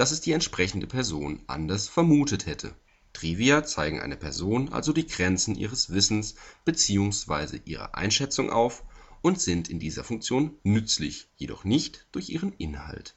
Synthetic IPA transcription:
d̥asɛsd̥iːɛntʃpʁ̥ɛçn̩dəpʰɛɐzoːnʔa̰ndɐsfɛɐmuːtəthɛtʰə̰ | tʁ̥iːviat͡saɪɡŋ̩ʔa̰ɪnəpʰɛɐzoːnʔa̰lzodiːɡʁɛnt͡sn̩ʔḭːʁ̞əsv̥ɪsn̩sb̥ət͡siːʊŋsv̥aɪzə̰ʔiːʁ̞ə̰ʔa̰ɪnʃɛt͡sʊŋʔa̰ʊfʊntz̥ɪntɪndiːzɐ̰fʊŋk̚t͡sjoːnːʏt͡slɪ̰çjedɔ̰χnɪçtd̥ʊɐçʔiːʁənʔɪnha̰lt

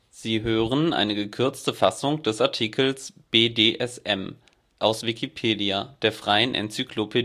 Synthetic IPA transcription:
z̥iːɦøːʁənʔa̰ɪnəɡəkʰʏɐt͡stəfasʊŋd̥ɛsaɐtʰikʰl̩sb̥eːdeːʔɛsʔɛm | ʔaʊsv̥ikʰipʰeːdiad̥eːɐfʁ̥aɪənʔɛ̰nt͡sykʰlopʰed

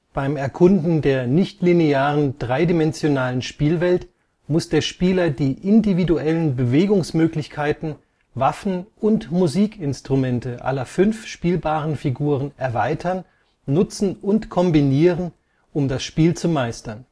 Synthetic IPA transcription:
b̥aɪmɛɐkʰʊndn̩deːɐnɪçtlineaːʁənd̥ʁaɪdimɛnzjonaːlənʃpiːlvɛlt | mʊsd̥eːɐʃpiːlɐdiːʔɪndividuɛlənbəveːɡʊŋsmøːklɪçkʰaɪtn̩ | vafn̩ʔʊntmuziːkɪnstʁ̥umɛntəʔa̰lɐfʏnfʃpiːlbaːʁ̞ənfiɡuːʁ̞ənʔɛɐvaɪtʰɐn | nʊt͡sn̩ʊntkʰɔmbiniːʁən | ʔʊmdasʃpiːlt͡sumaɪstɐn

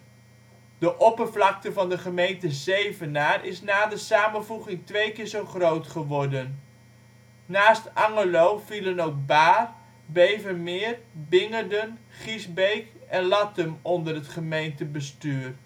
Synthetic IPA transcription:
d̥əʔɔpəɹvlɑk̚təvɑndəχəmejntəzejvənaːrʔɪsnaːdəsaːmənvuχɪŋtʋejkɪːɹzowχrowtχəʋɔɹdən | aːstɑŋəlowvilənowk̚baːr | bejvəmɪːrbɪŋədən | χizbejkɛnlɑtəmɔndərɦətχəmejntəbəstyːr

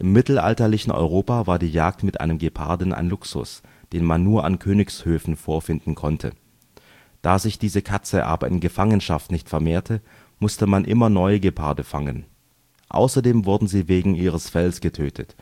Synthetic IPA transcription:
ʔɪmːɪtl̩ʔa̰ltɐlɪçn̩ʔɔ̰ʏʁ̞oːpaːvaːɐdiːjaːk̚tmɪtʔa̰ɪnəmɡepʰa̰ɐdn̩ʔa̰ɪnlʊksʊ̰sd̥eːnmanːuːɐʔa̰nkʰøːnɪçshøːfn̩foːɐfɪndn̩kʰɔntʰə̰ | d̥aːzɪçd̥iːzəkʰat͡səʔa̰ːbɐɪ̰nɡəfaŋənʃaftnɪçtfɛɐmeːɐtʰə | mʊstəmanʔɪmɐnɔʏəɡəpʰa̰ɐdəfaŋən | ʔa̰ʊsɐdeːmvʊɐdn̩ziːveːɡŋ̩iːʁ̞əsfɛlsɡ̥ətʰøːtʰət

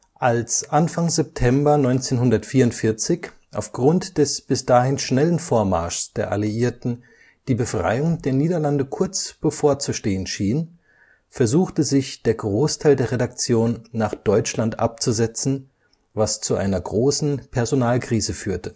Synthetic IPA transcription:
ʔalsʔanfaŋzɛp̚tʰɛmbɐnɔʏnt͡seːnɦʊndɐtfiːɐʊntfɪɐt͡sɪç | ʔa̰ʊfɡ̥ʁʊntd̥ɛsb̥ɪsd̥aːhɪnʃnɛlənfoːɐma̰ɐʃsd̥eːɐʔa̰liiːɐtn̩ | d̥iːbəfʁ̥a̰ɪʊŋdeːɐniːdɐlandəkʰʊɐt͡sb̥əfoːɐt͡suʃteːənʃiːn | fɛɐzuːxtəzɪçd̥eːɐɡʁoːstʰaɪldeːɐʁedak̚t͡sjoːnːaːχd̥ɔʏt͡ʃlantʔa̰p̚t͡suzɛt͡sn̩ | vast͡suʔa̰ɪnɐɡʁoːsn̩pʰɛɐzonaːlkʁ̥iːzəfyːɐtə

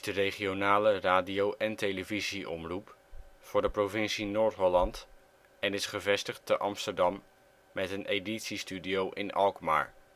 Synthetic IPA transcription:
zdərejχionaːləraːdiowʔɛntejləviziʔɔ̰mrupfʊːɹdəprovɪnsinoːɹtɦɔlɑnt | ɛnɪsχəvɛstəχtəʔɑmstəɹdɑmː | ɛtəneditsistydiowʔɪ̰nɑlˠkma̰ːɹ

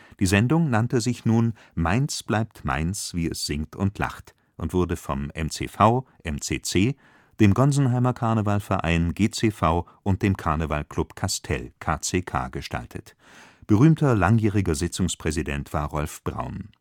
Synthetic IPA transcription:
d̥iːzɛndʊŋnantəzɪçnuːn | maɪnsb̥laɪp̚tma̰ɪnsv̥iːɛ̰sz̥ɪŋtʊntʰla̰χt | ʔʊntv̥ʊɐdəfɔ̰mɛmt͡sḛːfaʊʔɛmt͡seːt͡seː | d̥eːmɡɔnzn̩ɦaɪmɐkʰaɐnəvalfɛɐʔa̰ɪnɡeːt͡seːfaʊʔʊnt̚d̥eːmkʰaɐnəva̰lklʊpkʰastʰɛ̰lkʰaːt͡seːkʰa̰ːɡəʃtʰa̰ltʰə̰t | b̥əʁyːmtʰɐlaŋjiːʁ̞ɪɡɐzɪt͡sʊŋspʁ̥ɛzidɛ̰ntv̥aːɐʁɔlfb̥ʁa̰ʊn

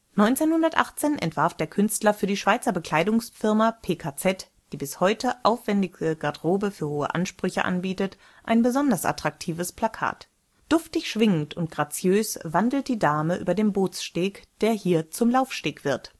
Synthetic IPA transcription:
nɔʏnt͡seːnhʊndɐtʔa̰χt͡seːnʔɛ̰ntv̥aɐfd̥eːɐkʰʏnstlɐfyːɐdiːʃv̥aɪt͡sɐbəkl̥aɪdʊŋsfɪɐmapʰeːkʰat͡sɛt | d̥iːbɪshɔʏtʰəʔaʊfv̥ɛndɪɡəɡ̥aɐdʁoːbəfyːɐhoːə̰ʔa̰nʃpʁ̥ʏçə̰ʔa̰nbiːtət | ʔaɪnbəzɔndɐsʔa̰tʁ̥ak̚tʰiːvəspʰl̥akʰa̰ːt | d̥ʊftɪçʃv̥ɪŋən̩tʊntɡ̥ʁat͡sjøːsvandl̩t̚d̥iːdaːməʔyːbɐdeːnboːt͡sʃteːkd̥eːɐhiːɐt͡sʊmlaʊfʃteːkv̥ɪɐt

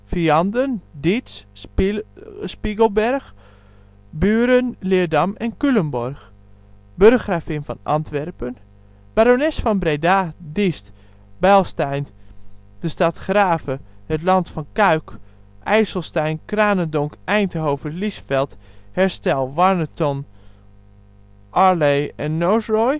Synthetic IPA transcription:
fiɑndəndis | spiɡəlˠbɛrx | byːɾənlɪədamɛnkylənbɔrx | børoxraːfɪnfɔnʔɑ̰ntʋɛrpən | b̥aɾonɛsfɔnbrejdadist | bɛlˠstɛjn | d̥əstatχraːfəhətlɑntfɔnkaɥk | ʔɛjsəlˠstɛjnkraːnəndɔŋkʔɛjntəɦowfəlisfɛlˠthɛɹstɛlˠʋarnətɔn | ʔaɹlejɛnːosrɔj

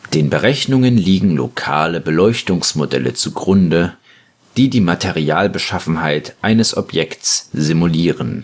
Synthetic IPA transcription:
d̥eːnbəʁ̞ɛçnʊŋənliːɡŋ̩lo̰kʰa̰ːləbəlɔʏçtʊŋsmodɛ̰lə̰t͡suɡʁʊndə | d̥iːdiːmatʰeʁiaːlbəʃafn̩ɦaɪtʔaɪnəsʔɔpjɛktsz̥imuliːʁən

